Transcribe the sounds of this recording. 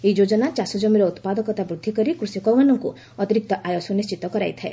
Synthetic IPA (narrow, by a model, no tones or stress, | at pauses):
eid͡ʒod͡ʒɔnat͡ʃasɔd͡ʒɔmiɾɔut̪pad̪ɔkɔt̪abɾud̪ʱːikɔɾikɾusjɔkɔwmanɔŋku | ɔt̪iɾik̚t̪ɔʔajosɔnist͡ʃit̪ɔkɔɾa̰jt̪ʰae